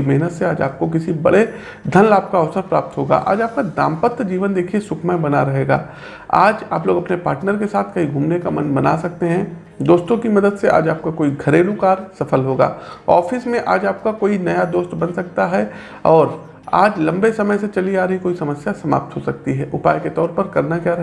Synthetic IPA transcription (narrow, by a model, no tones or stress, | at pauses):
mɛɦnət̪seaːd͡ʒa̰ːp̚kok̬ɪsibɐ̰ɽe | d̪ʱɐnlaːp̚kaɐʋsəɾpɾaːp̚t̪ɦoːɡa̰ʔa̰ːd͡ʒaːp̚kad̪ã̰ːmpət̪ːd͡ʒiːʋənd̪eːkʰiesʊkʰmabɐnaɾɐɦeːɡa̰ː | a̰ːd͡ʒa̰ːploːɡɐpnepaːɾʈnəɾkesaːt̪ʰkɐɦiɡʱuːmnekamɐ̃nbɐna̰sɐk̚t̪eɦɛ̃ | d̪oːst̪õkimɐd̪əd̪seʔa̰ːd͡ʒaːp̚kakoːiɡʱɐɾeːlũkaːɾsɐfʰəlɦoːɡa̰ːɔːfɪsmẽʔaːd͡ʒaːp̚kakoːinɐjad̪oːst̪bɐ̃nsɐk̚t̪aɦɛ | ɔːɾ | a̰ːd͡ʒlɐ̃mbesɐməjset͡ʃɐliaːɾəɦikoːisɐməsjasɐma̰ːp̚t̪ɦosɐk̚t̪iɦɛːʔʊpaːjket̪ɔːɾpɐɾkɐɾnakjaːɾɦ